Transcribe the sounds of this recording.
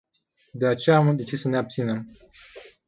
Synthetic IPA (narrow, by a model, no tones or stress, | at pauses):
d̪e̞at͡ʃe̞jamd̪et͡ʃissəne̞ab̚t̪sine̞m